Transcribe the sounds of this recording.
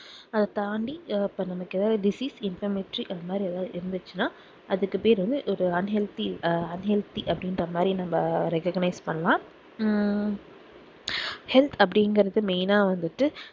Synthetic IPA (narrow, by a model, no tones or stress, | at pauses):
ɐðɐt̪aːɳɖiɪpːɐnɐmɐkːeðaːðɖɪsiːsɪnfɐmɪʈɾiʔɐnd̪ɐmaːd̪ɾiɐðãːʔɪɾɯnd̪ɯt͡ʃːɯnaː | ʔɐðɯkːɯpeːɾʋɐnd̪ɯʔɔɾɯɐnɦɛlt̪iɐnɦɛlt̪iʔɐpːɐɽɪnɾɐmaːd̪ɾinɐmːɐɾɛkɐɡnɐɪspɐɳːɐlãː | hɛlt̪ʰɐp̬ːɐɽinɡɐɾɐðɯmeːnaːʋɐnd̪ɯʈːɯ